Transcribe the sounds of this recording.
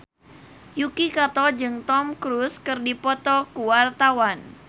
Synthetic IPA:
jukikat̪ɔd͡ʒɨŋt̪ɔmkɾuskɨrdipɔt̪ɔkuwart̪awan

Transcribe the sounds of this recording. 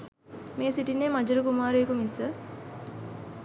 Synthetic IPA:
meːsiʈinːeːmɐd͡ʒuɾukumaːɾuekumisə

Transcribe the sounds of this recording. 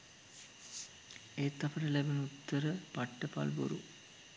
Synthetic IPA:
eːt̪ːɐfəɾəlæbenut̪ːəɾəpaʈːəpa̰lbo̰ɾṵ

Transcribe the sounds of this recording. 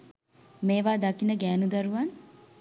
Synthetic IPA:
meːʋaːd̪akinəɡæːnud̪aɾuʋan

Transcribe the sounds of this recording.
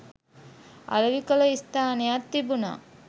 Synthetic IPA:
a̰lɐʋikələist̪aːnejat̪ːibuna̰

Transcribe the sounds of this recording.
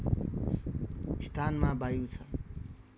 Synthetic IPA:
st̪ʰanmabajut͡sʰʌ

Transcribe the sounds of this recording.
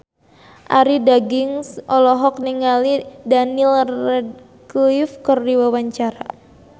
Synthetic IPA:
ʔaɾidaɡiŋsɔlɔɦɔk̚niŋalidanilrɛd̚ | klifkərdiwawaɲt͡ʃaɾa̰

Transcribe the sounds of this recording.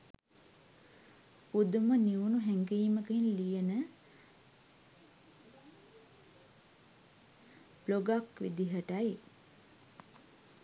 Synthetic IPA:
pud̪uməniunuɦɛŋɡiːməkəinlijənə | b̥loɡakʋḭd̪iɦəʈaj

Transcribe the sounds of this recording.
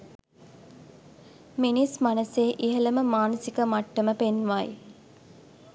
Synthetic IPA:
minismanəseːʔiɦələməmaːnəsikəmaʈːəməpenʋaj

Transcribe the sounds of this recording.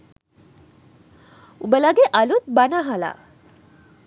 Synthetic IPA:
ubəlaɡeʔɐlut̪̚bɐnaɦala̰

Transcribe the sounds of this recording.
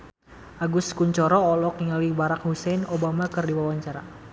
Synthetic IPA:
ʔaɡʊskuɲt͡ʃɔɾɔːlɔk̚niŋalibaɾak̚husɛnobamakɨrdiwawaɲt͡ʃaɾa

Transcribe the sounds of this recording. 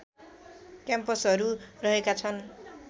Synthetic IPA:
kjampʌsɦʌɾurʌɦekat͡sʰʌn

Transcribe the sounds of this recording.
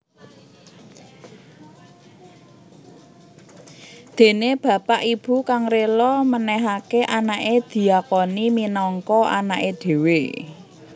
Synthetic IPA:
d̪̥e̤neb̥ä̤paʔib̥ṳkaŋrelɔmənɛɦakeʔanaʔed̪̥i̤akɔniminɔŋkɔa̰naʔed̪̥e̤we

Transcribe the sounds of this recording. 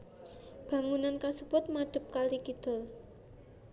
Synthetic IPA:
b̥ä̤ŋunankasəb̥ʊt̪̚mad̪̥ə̤p̚kalikid̪̥ʊ̤l

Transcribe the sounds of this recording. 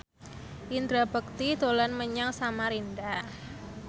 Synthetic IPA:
ʔind̪ɾabək̚t̪id̪olanməɲaŋsamaɾinda

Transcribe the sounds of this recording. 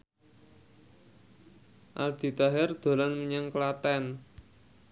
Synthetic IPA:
ʔa̰rd̪̥i̤t̪aɦɛrd̪̥o̤laŋmiɲaŋkəlat̪ɛn

